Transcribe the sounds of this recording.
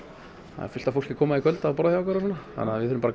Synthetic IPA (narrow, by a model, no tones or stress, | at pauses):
a̰ɛ̰fɪ̥t̪afowl̥cɪkʰɔːmaikʰœlt̪aːpɔɾajawkvɛɾasɔːnːaha̰nːavɪθʏɾʏmaɾa